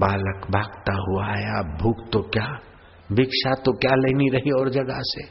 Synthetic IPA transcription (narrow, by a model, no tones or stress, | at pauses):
baːləkbʱaːɡt̪aɦuajabʱuːkt̪okjaː | bɪkʃat̪okjaleːniɾɐɦiɔːɾd͡ʒɐɡase